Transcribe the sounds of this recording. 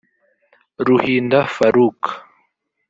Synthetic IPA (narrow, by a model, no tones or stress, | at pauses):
ɾuhind̪afaɾuːk